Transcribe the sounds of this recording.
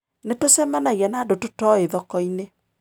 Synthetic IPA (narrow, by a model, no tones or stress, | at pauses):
netosɛmanaiɛnaːdototɔeðɔkɔine